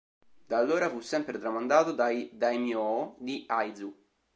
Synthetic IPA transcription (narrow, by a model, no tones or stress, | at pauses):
d̪alːoːɾafusːɛmpɾet̪ɾamand̪aːt̪od̪ajd̪ajmjɔd̪iajd̪zu